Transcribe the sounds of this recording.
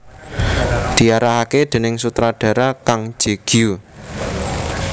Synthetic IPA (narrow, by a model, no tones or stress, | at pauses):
d̪̥i̤aɾaɦaked̪̥e̤nɪŋsut̪ɾaɖ̥ä̤ɾakaŋ̥d͡ʒ̥e̤ɡ̥iu